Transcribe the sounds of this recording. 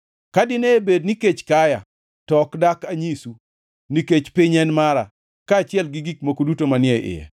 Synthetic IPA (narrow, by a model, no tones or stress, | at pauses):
kadɪneːbed̚niket͡ʃkaja̰ | tɔkdakaɲisu | niket͡ʃpɪɲɛnmaɾa̰ | kaːt͡ʃɪɛlɡɪɡikmokodutomanɪɛʔɪ̰jɛ̰